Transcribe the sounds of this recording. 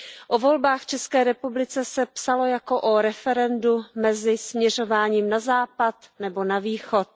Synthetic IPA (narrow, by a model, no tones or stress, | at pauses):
ʔovo̞lbaːxft͡ʃɛskɛːɾɛpublɪt͡sɛsɛpsalo̞jako̞ʔoɾɛfɛɾɛndumɛzɪsmɲɛr̝o̞vaːɲiːmnazaːpat̪nɛbo̞naviːxo̞t̪̚